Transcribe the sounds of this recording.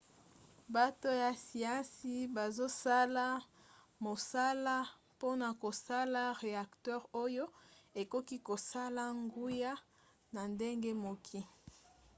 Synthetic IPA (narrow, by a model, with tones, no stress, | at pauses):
ba˦to˦ja˨si˨ã˦si˦ba˨zo˦sa˦la˦ | mo˨sa˦la˦ | po˦na˨ko˨sa˦la˦ʁe˨a˨ktɛ˦ʁo˦jo˦e˨ko˦ki˦ko˨sa˦la˦ŋɡu˦ja˦ | na˨nde˦ŋɡe˦mo˨kʰi˦